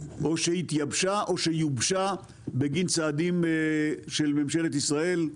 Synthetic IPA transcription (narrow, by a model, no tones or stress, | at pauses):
ʔo̞ʃeit̪jabʃaʔo̞ʃejubʃa | beɡint͡saːd̪im | ʃelmemʃelet̪isʁae̞l